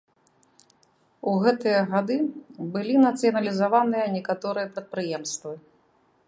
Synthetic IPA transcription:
uɣɛt̪ɨjɐɣad̪ɨbɨlʲinɐt̪sɨjɐnɐlʲizavanɨjɐnʲɛkat̪ɔɾɨjɐpɾɐt̪̚pɾɨjɛmst̪vɨ

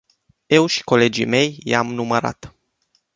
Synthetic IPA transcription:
e̞wʃi̥ko̞le̞d͡ʒḭme̞jjamnuməɾa̰t̪

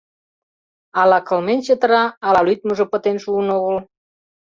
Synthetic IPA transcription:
ɑlɑkəlment͡ɕet̪əɾɑɑlɑlyt̪̚məʒopə̆t̪enʃuːnoɣəl

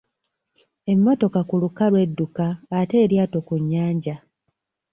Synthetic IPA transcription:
e̞mːo̞to̞kakulukalwe̞dːukaːte̞ːɾjaːto̞kuɲːaːɲɟa

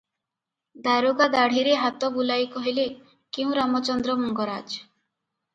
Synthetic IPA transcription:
d̪aɾoɡad̪aɽ̤iɾeɦat̪ɔbulajkɔɦile | keũɾamɔt͡ʃɔnd̪ɾɔmɔŋɡɔɾad͡ʒ

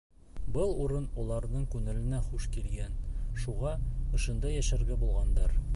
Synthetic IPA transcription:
bɤlˠuɾɤnɒlˠɑɾnɤɴkʉŋɘ̆lɘ̆næχuʃkilɡænʃuʁɑɤ̆ʃɤ̆nd̪ɑjæʃæɾɡæbulˠʁɑnd̪ɑɾ

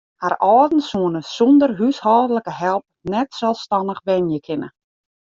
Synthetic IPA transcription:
harʔɔːdn̩suənəsɔndərɦyshɔːdələkəɦɛlˠp̚nɛtsɛlˠfstɑnəxbɛnjəkʰɪnə̰

